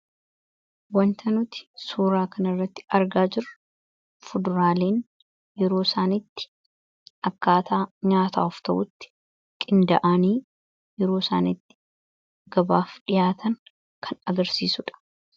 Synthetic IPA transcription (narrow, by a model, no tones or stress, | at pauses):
wɐnt̪ʰɐnʊt̪ɪ̥suːɾaːkɐnɐrːɐt̪ːɪ̥ɐɾɡaːd͡ʒɪɾɐ | fʊd̪ʊɾaːle̞ːn | jɛɾo̞ːsaːnɪt̪ːɪ̥ | ʔɐkːaːt̪ʰaːɲaːt̪aːʊft̪ɐʔʊt̪ːɪ̥ | kʼɪnd̪ɐʔaːniː | jɛɾoːsaːnɪt̪ːɪ̥ | ɡ̥ɐbaːfᶑɪjaːt̪ʰɐn | kʰɐnɐɡɐɾsiːsʊᶑɐ̥